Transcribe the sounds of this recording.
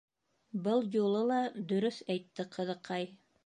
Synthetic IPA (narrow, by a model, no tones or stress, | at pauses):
bɤlˠjulˠɤlˠɑd̪ɵ̆ɾɵθæjt̪ːɘqʰɤ̆ðɤ̆qɑj